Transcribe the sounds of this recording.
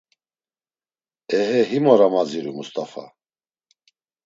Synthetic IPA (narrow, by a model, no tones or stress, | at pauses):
ɛhɛɦimɔɾamad͡ziɾumust̪ʼafa̰